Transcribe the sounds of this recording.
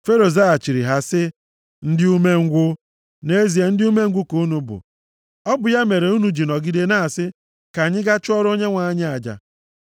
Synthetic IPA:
fe˦ɾo˨za˦a˨t͡ʃi˨ɾi˨ɦa˦sɪ˦ | n̩˦dɪ˦u˦me˦ŋ̩˦ɡʷʊ˦ | ne˦zi˨e˨n̩˦dɪ˦u˦me˦ŋ̩˦ɡʷʊ˦ko˨u˦nu˦bʊ̰˨ | ɔ˦bʊ˨ja˦me˨ɾe˨u˦nu˨d͡ʒi˨nɔ˨ɡi˦de˦na˦˨a˨sɪ˦ | ka˨ɲɪ˦ɡa˦t͡ʃʊ˦ɔ˦ɾo˦ɲe˦ŋʷa˨˦ɲɪ˦a˨d͡ʒa̰˨

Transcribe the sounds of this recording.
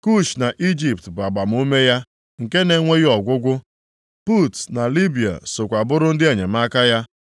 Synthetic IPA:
ku˦˨ʃna˨ʔi˦d͡ʒi˨ptba˨ɡ͡ba˨m̩˦u˦me˦ja˦ | ŋ̩˨ke˦ne˨˦ŋʷe˦ɣi˦ɔ˨ɡʷʊ˦ɡʷʊ˦ | pu˦˨tna˨li˦bi˨a̰˨so˨kʷa˨bʊ˦ɾʊ˦n̩˦dɪ˦e˨ɲe˨m˦a˦ka˦ja˦

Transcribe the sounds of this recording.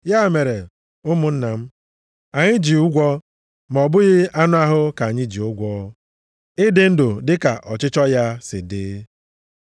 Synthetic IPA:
ja˦˨me˨ɾe˨ | ʊ˦mʊ˨n̩˦na˨m̩˦ | a˨ɲɪ˦d͡ʒi˨u˦ɡʷɔ˦ | m˨ɔ˨bʊ˦ɣɪ˦a˦nʊ˦a˦ɦʊ˦ka˨a˨ɲɪ˦d͡ʒi˨ʊ˦ɡʷɔː˦ | ɪ˦dɪ˦n̩˦dʊ˨dɪ˦ka˨ʔɔ˨t͡ʃɪ˦t͡ʃɔ˦ja˦sɪ̰˨dɪ̰˦

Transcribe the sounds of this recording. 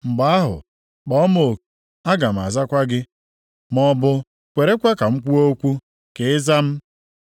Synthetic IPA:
ŋ͡m̩˨ɡ͡ba˨˦a˦ɦʊ̰˨ | k͡pɔ˨˦mo˨ | a˦ɡa˨m̩˨a̰˨za˦kʷa˦ɡɪ˦ | mɔ˨bʊ˨ | kʷe˨ɾe˦kʷa˦ka˨ŋ͡m̩˦kʷu˦o˦kʷu˦ | ke˨˦ɪ˦za˦m̩˦

